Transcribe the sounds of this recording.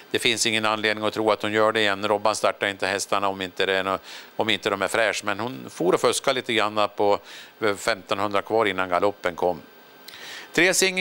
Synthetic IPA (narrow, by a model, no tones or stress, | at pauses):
d̪̥ɛfɪnsɪŋːənanleːd̪nɪŋɔt̪ʰɾuːat̪hʊnjœːɖɛɪjɛnːɾɔbːanst̪aʈːaɾɪnt̪əhɛst̪aɳaɔmɪnt̪əd̪ɛɔmɪnt̪əd̪ɔmæɾfɾɛːʂmɛnhʊnfoːɾɔfœskaliːt̪əɡɾanːapʰɔ | fɛmt̪ɔnhɵnd̪ɾakʰvɑːɾɪnːanɡalɔpːənkʰɔmː | t̪ʰɾeːsɪŋː